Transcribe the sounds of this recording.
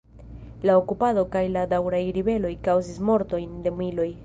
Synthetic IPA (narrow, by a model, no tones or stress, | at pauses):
laokupado̞kajladawɾajɾibe̞lo̞jkawzismo̞ɾto̞jnde̞muilo̞j